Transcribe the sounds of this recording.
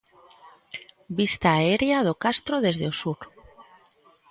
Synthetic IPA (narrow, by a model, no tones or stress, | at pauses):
bist̪aːeɾjaðokast̪ɾoðezðeosuɾ